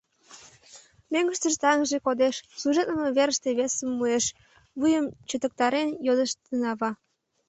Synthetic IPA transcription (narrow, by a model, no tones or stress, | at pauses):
meŋɡəʃt̪əʃt̪ɑŋʒekod̪eʃsuʒet̪əməβeɾəʃt̪eβesəmːueʃ | βujəmt͡ɕət̪ək̚t̪ɑɾenjod̪əʃt̪ənɑβɑ